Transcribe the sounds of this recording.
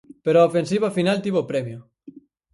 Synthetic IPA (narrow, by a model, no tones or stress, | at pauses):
peɾoaofens̬iβafinalt̪iβopɾɛmjʊ